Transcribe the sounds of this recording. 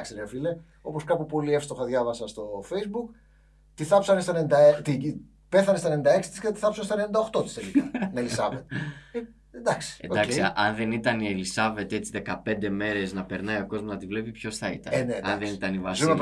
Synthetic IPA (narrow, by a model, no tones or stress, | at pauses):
ksiɾeofile | o̞po̞skɐpupo̞liefst̪oxɐðʝɐvɐsɐst̪o̞fejzbuk | t̪iθɐpsɐnest̪ɐnenid̪ɐet̪i | pe̞θɐnest̪ɐnenind̪ɐe̞ksi̥t̪i̥skeɐt̪i̥θɐpsɐnest̪enenind̪ɐoxt̪o̞t̪i̥st̪e̞likɐnelisɐvet̪e | end̪ɐksi̥eɐksʔɐnðe̞nit̪ɐnielisɐve̞t̪e̞t͡siðe̞kɐpe̞nd̪e̞me̞ɾe̞znɐpeɾnɐjo̞ko̞zmoznɐt̪ivle̞pipço̞sθɐit̪ɐ̰nneɐnðenit̪ɐnivɐsnop